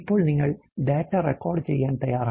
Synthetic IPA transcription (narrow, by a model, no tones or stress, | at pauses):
pːoːɭniŋɡɐɭɖeːʈːaːɾɛkːoːɾɖt͡ʃɛjːaːnt̪ɐjaːɾaː